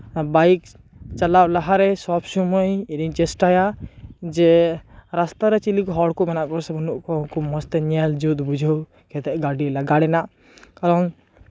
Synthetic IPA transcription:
bajk̚ | t͡ʃalablaɦaɾɛsɔpʰsumɔjiɾiŋt͡ʃɛsʈajad͡ʒɛɾast̪aɾɛt͡ʃilikɦɔɽkɔmɛnaʔkɔɾsɛbunuʔkɔŋkɔmɔst̪ɛɲɛld͡ʒud̪bud͡ʒʱəw | kɛt̪ɛʔɡaɖilaɡaɽɛnaʔ | kaɾɔŋ

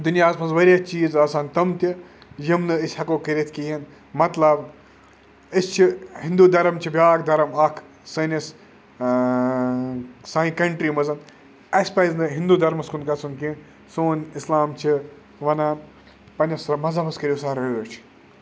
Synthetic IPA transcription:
d̪unjaːzpʰɐnzʋɐɾʲjat͡ʃiːzaːsaːnt̪ɐmt̪ʲi | jimnɨisʲhɐkoːkəɾʲit̪ʰʲkiːɦɐn | mɐt̪lɐb | isʲt͡ʃʰihĩnd̪uːd̪ɐɾɐmt͡ʃʰibʲjaːkd̪ɐɾɐmɐkʰ | sɨːnʲɐs | saːĩkɐɳʈɾiːmɐzɐn | ɐsʲpɐjznɨɦind̪uːd̪ɐɾmɐskunkɐsunkĩn | soːnislaːmt͡ʃʰi | ʋɐnaːn | pɐnʲɐsmɐzɐbɐskɐɾʲisaːɾɐjoːt͡ʃʰ

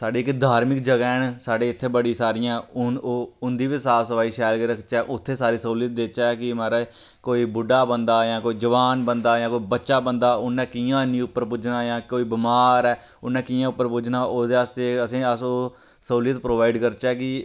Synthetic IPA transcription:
saːɖeːkːd̪ʱaːɾmɪk̚d͡ʒəɡɛːnsaːɖeːɪt̪ʰːeːbəɽiːsaːɾɪjãːʊoʊnd̪iːʋisaːsəʋaːiːʃaːlkeːɾəkʰt͡ʃɛːʔʊt̪ʰːeːsaːɾiːsəuːlɪjət̪̚d̪eːt͡ʃɛːkɪmɛːɾɛː | koːiːbʊɖaːbənd̪aːjãːkoːiːd͡ʒəʋaːnbənd̪aːjãːkoːiːbətːʃaːbənd̪aːʊnːɛ̃ːkiːãːnĩːʊpːəɾpʊd͡ʒnaːjãːkoːiːbɪmaːɾɛː | ʊnːɛ̃ːkiːãːʊpːəɾpʊd͡ʒnaːʔoːd̪eːaːst̪eːəsĩːəsoː | səuːlɪjət̪pɾoːʋaːiɖkəɾt͡ʃɛːkɪ

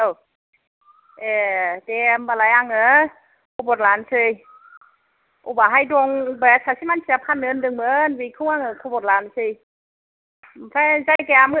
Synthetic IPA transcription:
ʔəw | ʔedɛmbalajaŋə | kʰobot̪̚laːnsɯj | ʔobaɦajdoŋbɛsʰasimansʰapʰanːɯndɯŋmənwikʰuaŋəkʰobot̚laːnsɯj | pʰazajkɛam

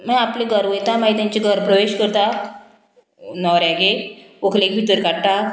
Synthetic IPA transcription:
mə̃apleɡʱəɾʋəjt̪amãɦit̪̬jãɲt͡ɕiɡʱəɾpɾəʋeɕkəɾt̪a | nɔɾjaɡeokʰlekʋit̪əɾkaɽta

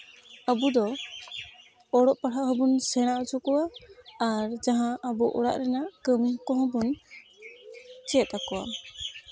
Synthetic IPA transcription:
abud̪ɔ | ɔɽɔʔpaʈaɦɔbunsɛɽ̃aʔɔt͡ʃʰɔkɔwaː | ɾd͡ʒaɦãʔabɔʔɔɽa̰ʔɾɛnaʔkəmkɔ̃ɦɔ̃bun | t͡ʃɛt̪̚akɔwa̰

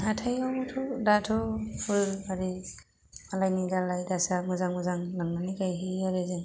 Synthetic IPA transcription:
ɦatʰajawtʰɔdatʰɔpʰɯɾaɾi | malajniɡalajdasamɯzaŋmɯzaŋlaŋnaniɡajɦiaɾezeŋ

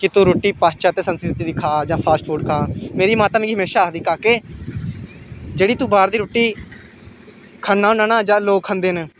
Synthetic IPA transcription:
kɪt̪ũːɾoːʈːiːpaːt͡ʃaːt̪eːsənskɾɪt̪iːd̪ɪkʰaːd͡ʒãːpʰaːsʈfʰuːɖkʰãːmeːɾiːmaːt̪aːmẽɡiɦmeːʃaːkd̪iːkaːkeː | d͡ʒeːɽiːt̪ũːbaːɾd̪iːɾoːʈːiː | kʰənːaːoːnaːnaːd͡ʒãːloːkʰə̃nd̪eːneː

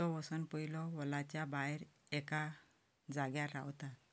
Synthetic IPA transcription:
ɔʋɔsɔnpəilɔʋɔlat͡ɕjabajɾɛka | d͡zaɡjaɾa̰wt̪a

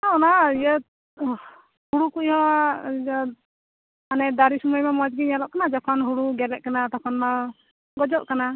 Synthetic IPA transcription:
anaijə | huɽukuʔhɔ̃ | anɛd̪aɾisɔmɔjmɛmɔd͡ʒɡiɲalɔʔkanad͡ʒɔkʰɔnɦuɽuɡɛlɛʔ̚kanat̪ɔkʰɔnma | ɡɔd͡ʒɔʔkana

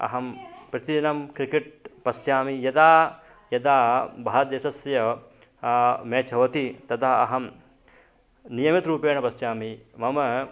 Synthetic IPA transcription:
ɐ̰ɦɐmpɾɐt̪id͡ʒɐnɐmkɾikeʈ̚pɐsjaːmijɐd̪aː | jɐd̪aːbʱaːɐt̪jɐsɐsjɐ | meːt͡ʃɐʋɐt̪it̪ɐt̪ʰɐɦɐ̰ɦɐm | nijɐmit̪ɾuːpeːɳɐpɐsjaːmimɐmɐ

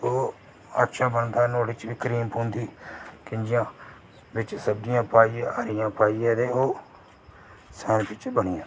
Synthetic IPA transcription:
oː | ət̪ʃaːbənd̪aːnoːɽiːt͡ʃʋiːkəɾiːmpõːnd̪iːkɪnd͡ʒɪjãː | bɪt͡ʃsəbdɪjãːpaːiːãːəɾɪjãːpaːiːɛːd̪eːoː | sɛːnpɪt͡ʃbəɳɪːãː

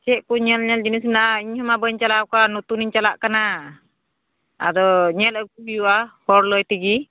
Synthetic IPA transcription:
t͡ʃɛʔkuɲɛlɲɛld͡ʒinismɛnaiɲhɔmabəɲt͡ʃalakanut̪uniɲt͡ʃalaʔkana | a̰dɔɲɛləɡuijuahɔɾlɔjt̪iɡi

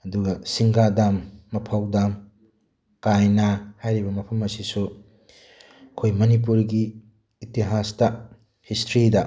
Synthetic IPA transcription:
ɐduɡɐsiŋɡadamːɐpʰawdam | kajnɐhajɾibɐmɐpʰɐmɐsisu | kʰojmɐnip̬uɾɡiː | tiɦastɐ | histʰɾidɐ

